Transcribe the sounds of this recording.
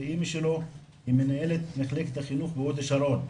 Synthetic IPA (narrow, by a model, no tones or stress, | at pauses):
imiʃelo̞ | himenae̞let̪neχleket̪haχinuχbeod̪eʃalo̞n